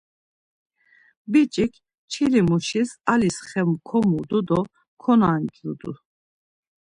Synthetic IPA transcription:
bit͡ʃʼikʰ | t͡ʃʰilimuʃisalisχɛmkʰɔmud̪ud̪ɔ | kʰɔnaŋkʰʼɾud̪ṵ

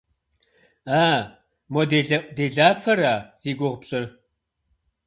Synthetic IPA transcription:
aː | mɔdedeːɮaːfɐɾaːz̥iːɡʷʊʁpɕʼɪ

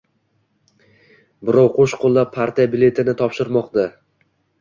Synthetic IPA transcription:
bɪɾɒwqʰoʃqʰolˠːap̚ʰːaɾt̪ʰijabɪle̞t̪ʰɪnɪt̪ʰɒpʃɪɾmɒqd̪a

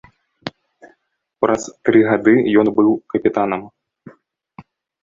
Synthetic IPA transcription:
pɾʔɐst̪ɾɨɣad̪ɨjɔnbɨwkɐpʲit̪anɐm

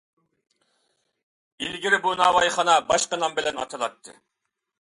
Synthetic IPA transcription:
ilɡʲiɾɪbunɑwɑjχɑnɑbɑʃqɑnɑmbɪlɛnɑ̰t̪ʰɑlˠɑt̪ʰːɨ̰

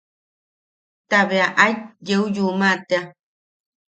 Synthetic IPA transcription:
t̪aβeaʔajjeujumat̪ea

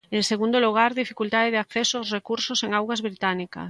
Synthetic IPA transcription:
eŋseɣ̞und̪oluɣ̞aɾðifikult̪aðeð̞eakθesoawsrekuɾsoseŋawɣazβɾit̪anika̰

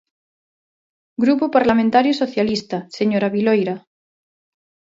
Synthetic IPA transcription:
ɡɾupopaɾlamẽnt̪aɾjosoθjalist̪aseɲoɾaβilojɾa

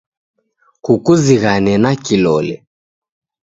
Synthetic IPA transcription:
kukuziɣanɛnakilɔlɛ

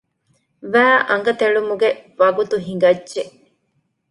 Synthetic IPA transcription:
ʋæːʔɐŋɡɐt̪eɭumuɡeʋɐɡut̪uɦiŋɡɐdːʒe

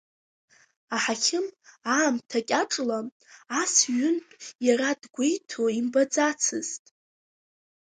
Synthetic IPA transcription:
aħakʲʰɪmaːmtʰakʲʼaʈ͡ʂʼla | asɥʏnpʼjaɾadɡʷejtʰoimbad͡zat͡sʰɨztʼ

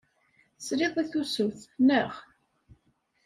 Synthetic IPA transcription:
sɾɪðˤiθusʊθnəʁ

